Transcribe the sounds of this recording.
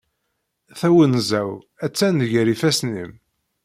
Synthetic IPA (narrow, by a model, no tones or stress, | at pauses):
θæwənzæw | æt͡sːænðʝəɾifæsnḭm